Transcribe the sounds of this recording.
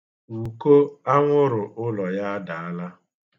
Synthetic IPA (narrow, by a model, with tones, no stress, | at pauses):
u˨ko˦a˦ŋʷʊ˦ɾʊ˨ʔʊ˦lɔ˨ja˦a˦da˨a˦la˦